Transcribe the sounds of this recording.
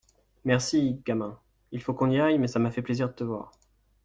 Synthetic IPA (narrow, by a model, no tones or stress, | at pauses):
mɛʁsiɡamɛ̃ | ilfokɔ̃niajmɛsamafɛpleziʁd̪ət̪əvwa̰ːʁ